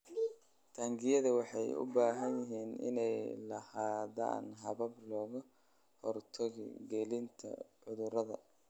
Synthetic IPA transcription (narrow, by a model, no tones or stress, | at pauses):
t̪ʰaːŋɡɪjɐðɐwɑħɑjʊ̰baːɦɐnjɪɦiːnɪ̰nɛjlɐhaːdɐ̰ːnɦɐβɐblɔːɣʊ | hɔrt̪ʰɐɣɪ̰ɡɛlɪnt̪ʰɐ̰ʕʊðʊɾɐðɐ̰